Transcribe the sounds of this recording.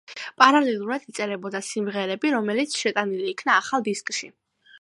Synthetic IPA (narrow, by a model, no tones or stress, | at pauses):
pʼaɾalɛlˠuɾad̪it̪sʼɛɾɛbɔd̪asimʁɛɾɛbiɾɔmɛlit̪sʰʃɛt̪ʼaniliːkʰnaːχalˠd̪iskʼʃi